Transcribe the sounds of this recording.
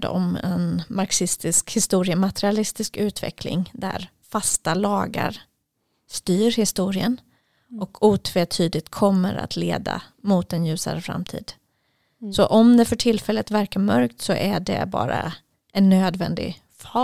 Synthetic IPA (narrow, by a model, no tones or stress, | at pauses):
d̪ɔ̰mɛ̰nmaɾksɪst̪ɪskhɪst̪uːɾɪəmat̪ɛɾɪalɪst̪ɪskʉ̟ːt̪vɛ̰kʰlɪ̰ŋd̪æ̰ɾ | fast̪alɑːɡa̰ɾ | st̪yːɾhɪst̪uːɾɪən | ʔɔkʰuːt̪ʰveːt̪ʰyːd̪ɪt̪kʰɔmːəɾa̰t̪ʰleːd̪a̰ | mʊt̪ɛnjʉ̟ːsa̰ɾəfɾa̰mt̪ʰḭːd̪̥ | sɔʔɔmd̪ɛfœʈʰɪlfɛlːət̪væɾkaɾmœɾkt̪sɔʔæɖɛ̰bɑ̰ːɾa | ʔɛnːøːd̪vɛnd̪ɪ̰ | fɑ